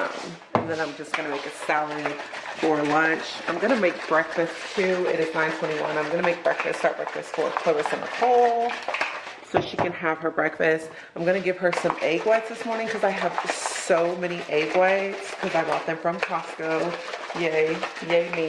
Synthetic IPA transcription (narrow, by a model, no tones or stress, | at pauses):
m | ɨ̃nðɨ̃nãɪ̃md͡ʒʌsɡ̥ʌñɨmeɪkɨsɛlˠəifə˞lʌ̃nt͡ʃã̰ɪ̃mɡʌnɨmeɪk̚b̥ɹɛkfɨstʰʉɪɾɨznãɪ̃ntʰw̥ɛ̃ɾ̃iwʌ̰̃nãɪ̃mɡʌnɨmeɪk̚b̥ɹɛkfɨ̰sstsɑt̚b̥ɹɛ̰kfɨstsfə̰˞kʰl̥oʊəsʌ̃mə̰kʰoʊlˠ | soʊʃikɨ̃nɨv̥ə˞bɹɛkfɨst | ãɪ̃mɡʌñɨɡɪv̥ə˞sʌ̃meɪɡwaɪtsðɪsmɔɹnɪ̃ŋkʰʌzaɪəv̥soʊmɛñiʔeɪɡwaɪtskʰʌzaɪbɔt̪̚ðɨ̃ɱfɹʌ̃mkʰɑskoʊjeɪ | jeɪmĩ